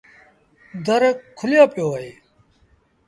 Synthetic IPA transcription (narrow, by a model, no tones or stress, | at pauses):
d̪əɾkkʰːʊljaːpɪjoːəɦeː